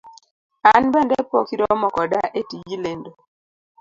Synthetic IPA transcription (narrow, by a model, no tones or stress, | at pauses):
anbɛndɛpokiɾɔmɔkɔdaʔetid͡ʒilendo